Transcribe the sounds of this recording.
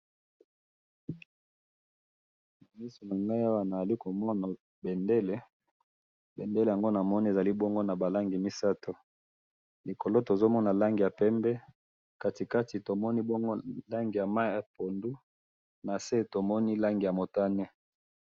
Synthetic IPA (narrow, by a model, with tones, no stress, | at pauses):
na˨mi˦so˨na˨ŋɡa˦a˦wa˦na˨za˨li˦ko˨mɔ˦na˨ | bɛ˨nde˦le˦ | bɛ˨nde˦le˨a˨ŋɡo˦na˨mɔ˦ni˦e˨za˨li˦bɔ˦ŋɡo˦na˨ba˨la˦ŋɡi˨mi˦sa˦to˨ | li˨ko˨lo˦to˨zo˦mɔ˦na˨la˦ŋɡi˨ja˨pɛ˦mbɛ˦ | ka˦ti˨ka˦ti˨to˨mɔ˦ni˦bɔ˦ŋɡo˦la˦ŋɡi˨ja˨ma˦ɛ˦po˨ndu˦ | na˨se˦to˨mɔ˦ni˦la˦ŋɡi˨ja˨mo˨ta˦nɛ˦